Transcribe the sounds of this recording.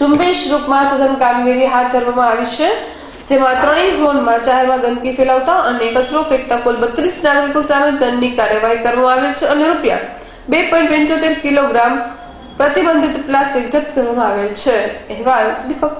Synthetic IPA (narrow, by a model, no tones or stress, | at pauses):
d͡ʒumbeʃɾukmãsəd̪ʱənkamɡeɾiɦat̪̚d̪ʱəɾʋamãaʋit͡ʃʰe | d͡ʒemãt̪ɾəɽ̃iszonmãt͡ʃaɦeɾmãɡənd̪kifelaʋt̪aʔəneːkət͡ʃɾofek̚t̪akulbət̪ɾisnaɡɾikosamed̪ənːikaɾjəʋaɦikəɾʋamãaʋelt͡ʃʰeəneɾupja̰ | bepɔj̃ɳʈpə̃ɲt͡ʃot̪eɾkiloɡɾam | pɾət̪ibənd̪ʱit̪plasʈik̚d͡ʒət̪ːkəɾʋamãaʋelt͡ʃʰeeʋald̪ipək̚